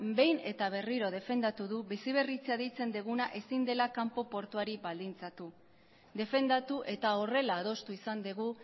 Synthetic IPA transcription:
be̞jne̞t̪aβ̞e̞riɾo̞ð̞e̞fe̞nd̪at̪uðuβisiβ̞e̞rit͡seaðijt͡se̞nd̪eɣunaʔe̞sind̪e̞lakampo̞po̞ɾt̪uaɾiβald̪int͡sat̪u | d̪e̞fe̞nd̪at̪uʔe̞t̪ao̞re̞laːðo̞st̪uisand̪eɣ̞u

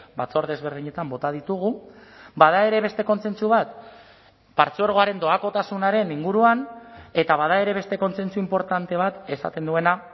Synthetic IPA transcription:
bat͡so̞ɾðe̞zβ̞e̞ɾð̞iɲe̞t̪ambo̞t̪aðit̪uɣ̞ubað̞ae̞ɾe̞βe̞st̪e̞ko̞nse̞nt͡suβ̞at̪ | paɾt͡sueɾɣ̞o̞aɾe̞nd̪o̞ako̞t̪asunaɾe̞niŋɡuɾuane̞t̪aβaðae̞ɾe̞βe̞st̪e̞ko̞nse̞nt͡suimpo̞ɾt̪ant̪e̞β̞at̪e̞sa̰t̪e̞nd̪ue̞na

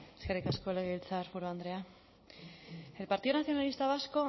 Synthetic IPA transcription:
skaɾikaskoleɣilt͡saɾpuɾoand̪ɾea | e̞lpaɾt̪iðonaθjo̞nalist̪aβ̞asko̞

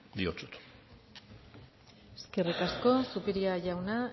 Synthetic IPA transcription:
d̪iot͡su̥t̪ | eske̞rikasko̞supiɾiaʝawna

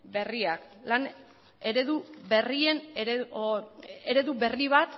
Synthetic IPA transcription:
be̞riaklan | e̞ɾe̞ðuberie̞n | eɾe̞ðuβe̞riβat̪

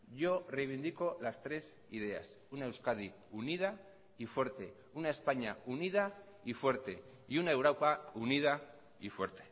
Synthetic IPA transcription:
ʝorejβ̞ind̪iko̞last̪ɾe̞s | ið̞e̞a̰s | unae̞wskað̞i | unið̞a | ifwe̞ɾt̪e̞ | unae̞spaɲaunið̞a | ifwe̞ɾt̪e̞ | iunae̞wɾowpaunið̞a | ifwe̞ɾt̪e̥

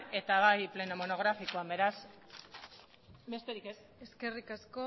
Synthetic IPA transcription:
e̞t̪aβajple̞nomo̞no̞ɣ̞ɾafikoabe̞ɾas | be̞st̪eɾikes | eske̞rikasko

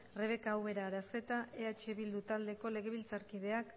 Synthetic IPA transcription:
re̞β̞e̞kaːwβe̞ɾaːɾase̞t̪ae̞at͡ʃe̞βild̪ut̪ald̪e̞ko̞le̞ɣ̞e̞βilt͡saɾkið̞e̞ak

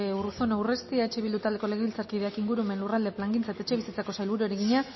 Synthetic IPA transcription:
euruso̞nawre̞st̪iae̞t͡ʃe̞βild̪ut̪ald̪eko̞le̞ɣeilt͡saɾkið̞e̞akiŋɡuɾume̞nlurald̪e̞plaŋɡint͡saet̪aet͡ʃe̞βisit͡sako̞sajlβuɾueɾeɣiɲa

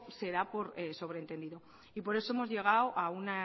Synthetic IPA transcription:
se̞ɾapo̞ɾeso̞βɾent̪e̞nd̪iðo̞ | ipo̞ɾe̞so̞emo̞zʝe̞ɣ̞awʔauna

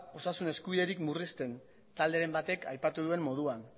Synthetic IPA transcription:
o̞sasune̞skuβiðe̞ɾikmurist̪e̞n | t̪ald̪e̞ɾe̞mbat̪e̞ka̰jpat̪uðue̞mːo̞ð̞uan

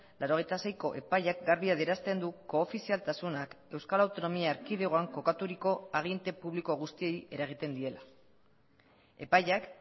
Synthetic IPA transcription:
lʔaɾo̞ɣe̞jt̪asejko̞ʔe̞pajakɡaɾβiaðeɾast̪e̞nd̪uko̞ːfisialt̪asunake̞wskalawt̪o̞no̞miaːɾkiðeɣoaŋko̞kat̪uɾiko̞aɣ̞ient̪e̞puβliko̞ɣust̪ie̞je̞ɾaɣ̞it̪e̞nd̪ie̞la | e̞̰pajak

